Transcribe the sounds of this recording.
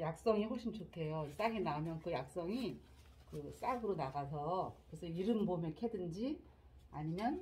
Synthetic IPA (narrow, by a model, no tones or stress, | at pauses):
jak̚s͈ʌŋiɸoɕʰimt͡ɕokʰe̞jos͈aɡenamjʌnkɯjak̚s͈ʌŋi | kɯs͈aɡɯɾonaɡasʰʌkɯɾesʰʌiɾɯnbomjʌnkʰedɯnd͡ʑi | aɲimjʌn